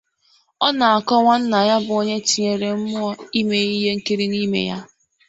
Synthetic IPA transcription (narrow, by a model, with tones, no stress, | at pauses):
ɔ˦na˨a˨kɔ˦ŋʷa˦n̩˦na˨ja˦bʊ˨o˦ɲe˦t͡ʃi˨ɲe˨ɾe˨m̩˦mʊ˦ɔ˦i˦me˨i˦ɦe˦ŋ̩˦ki˦ɾi˦ni˦mḛ˨ja̰˦